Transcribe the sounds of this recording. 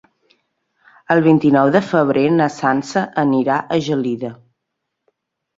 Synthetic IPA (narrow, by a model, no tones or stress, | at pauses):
əlˠβint̪inɔwðəfəβ̞ɾenəsansəʔəniɾaʔəʒəliðə